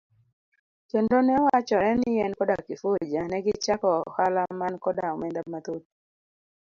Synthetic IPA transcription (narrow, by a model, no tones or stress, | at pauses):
kendonɛwat͡ʃɔɛnɪjɛnkɔdakɪfod͡ʒanɛɡɪt͡ʃakɔhalamankɔdaɔmɛndamat̪ot̪̚